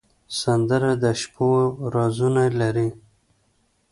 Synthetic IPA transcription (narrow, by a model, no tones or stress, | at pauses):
sand̪əɾad̪aʃpoɾɑzunalaɾi